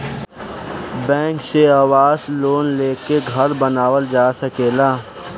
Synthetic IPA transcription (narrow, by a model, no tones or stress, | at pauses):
bɛ̃ːŋkseaːwaːzloːnleːkeɡʱɐɾbənaːwəld͡ʒaːsəkeːlaː